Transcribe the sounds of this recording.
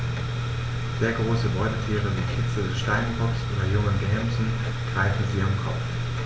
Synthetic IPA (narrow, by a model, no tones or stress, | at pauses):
z̥eːɐɡʁoːsəbɔʏtətʰiːʁəviːkʰɪt͡sl̩ədɛsʃtaɪnbɔksʔo̰ːdɐjʊŋənɡɦɛmzn̩ | ɡ̥ʁaɪfn̩ziʔːəmkʰɔpp͡f